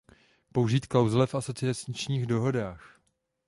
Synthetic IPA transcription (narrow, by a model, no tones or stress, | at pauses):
po̞wʒiːt̪kawzlɛfʔaso̞t͡sɪat͡sɲɪt͡ʃɲiːɣdo̞ɦo̞daːx